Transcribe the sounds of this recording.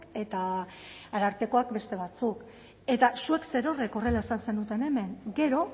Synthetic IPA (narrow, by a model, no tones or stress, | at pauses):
ke̞t̪a | aɾaɾpe̞ko̞akbe̞st̪e̞β̞at͡suk | e̞t̪asue̞kse̞ɾo̞re̞ko̞re̞lae̞sanse̞nut̪e̞ne̞me̞ŋɡe̞ɾo̞